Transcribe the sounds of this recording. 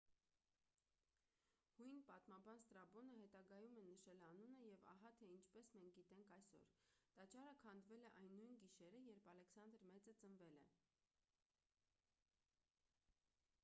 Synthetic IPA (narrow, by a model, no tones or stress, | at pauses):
hujnpɑt̪mɑbɑnst̪ɾɑbɔnəɦɛt̪ɑɡɑjumɛnəʃɛlɑnunəjɛvɑ̰ɦɑt̪ʰɛint͡ʃʰpɛsmɛŋk̚ʰɡit̪ɛŋkʰɑjsɔ̰ɾt̪ɑt͡ʃɑɾəkʰɑnd̪vɛlɛʔɑjnːujnɡiʃɛɾəjɛɾpʰɑlɛksɑnd̪əɾmɛt͡sət͡sənvɛlɛ